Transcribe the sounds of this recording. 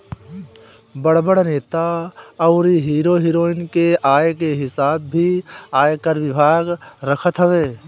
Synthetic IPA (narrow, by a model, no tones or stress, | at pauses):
bəɽ̤bəɽneːt̪aɔʊɾiɦiːɾoɦiːɾoːɪnkeʔaːjkeɦɪsaːb̚ːʱiaːjekəɾʋɪbʱaːɡɾəkʰət̪ɦəʋeː